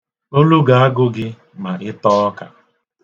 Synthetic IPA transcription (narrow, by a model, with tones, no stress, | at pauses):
o˦lu˦ɡa˨a˦ɡʊ˦ɡɪ˦ | ma˨ɾɪ˦tɔː˦ka̰˨